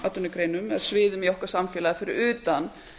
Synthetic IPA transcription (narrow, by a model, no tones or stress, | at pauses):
at̪ːʏnʏkɾejnʏmɛð̥svɪːðʏmjohkḁɾsamfjɛːlaðfɪɾɪɾʏːt̪an